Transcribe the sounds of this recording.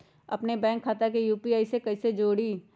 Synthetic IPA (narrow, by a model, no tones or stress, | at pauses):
ɐ̰pnebɛ̃ːŋkʰːaːt̪akejuːpiaːisekɐised͡ʒoːɽi